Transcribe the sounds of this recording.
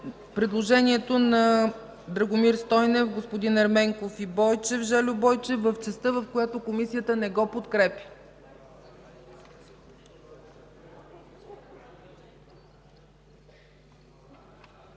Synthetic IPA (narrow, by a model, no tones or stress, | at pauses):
pɾɛd̪lˠoʒɛniɛt̪onɐ | d̪ɾɐɡomiɾst̪ɔjnɛfɡospod̪inɐɾmɛŋkofibɔjt͡ʃɛvʒɛlʲʊbɔjt͡ʃɛvɐft͡ʃɛst̪ɤvɐfkojat̪okomisijət̪ənɛɡɔpot̪kɾɛpʲə̥